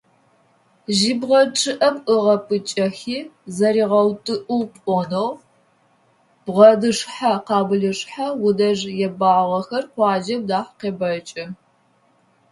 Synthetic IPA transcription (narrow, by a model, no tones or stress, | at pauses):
ʒibʁɐʈ͡ʂʼɨʔɐpɨʁɐpʰʼɨt͡ʃʼɐxiːzɐɾiːʁɐwtʼɨʔuwpʷʼɔnoʁ | b̥ʁɐdɨʂħaqɑːbɨɮɨʂħawʊdɐʐjɛbaːʁɐxɐrχʷɑːd͡ʒɐm̚daːħqeːbɐt͡ʃʼɐ